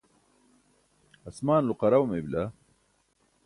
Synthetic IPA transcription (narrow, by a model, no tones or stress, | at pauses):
ɐsmaːnluqɐɾɐwmebla